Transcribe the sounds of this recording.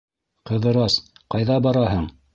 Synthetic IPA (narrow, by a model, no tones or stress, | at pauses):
qɤ̆ðɤ̆ɾɑsqɑjðɑbɑɾɑɦɤɴ